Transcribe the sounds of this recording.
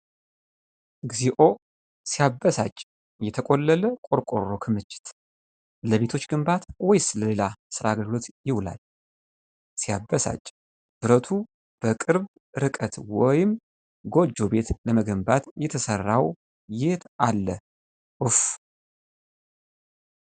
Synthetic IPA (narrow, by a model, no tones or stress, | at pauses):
ɡziʔo̞ | sijabːəsa̰t͡ʃʼ | jɛt̪ʰəkʼo̞lːələkʼo̞ɾkʼo̞rːo̞kʰɨmɨt͡ʃʼːɪ̥t̪ | ləβe̞t̪ʰo̞t͡ʃːɡɨmbat̪wɔjsɨləle̞lasɨɾaɡəlɡɨlot̪jɪwla̰l | sijabːəsa̰t͡ʃʼ | b̥ɨɾət̪ʰu | b̥əkʼɨɾb | ɾɨkʼət̪wɔjɪm | ɡo̞d͡ʒːo̞be̞t̪ləməɡəmbat̪jɛt̪ʰəsərːaw | jet̪alːə | ʔɨf